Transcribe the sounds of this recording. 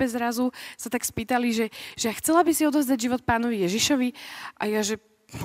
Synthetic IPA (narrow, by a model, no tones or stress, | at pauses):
bɛzɾazusat̪akspiːt̪aliʒɛʒ̥ɛaxt͡sɛlabisiɔd̪ɔvzd̪aɟʒiʋɔt̪̚paːnɔʋijɛʒiʃɔʋiʔa̰jaʒɛ